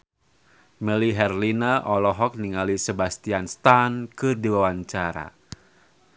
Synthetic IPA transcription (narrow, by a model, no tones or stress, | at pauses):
mɛliɦɛrlinaʔɔlɔɦɔk̚niŋalisəbast̪ianst̪ankɨdiwawaɲt͡ʃaɾa̰